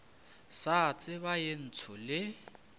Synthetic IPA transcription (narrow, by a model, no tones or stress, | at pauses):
sat͡sʼɪβajen̩t͡sʰʊlɪ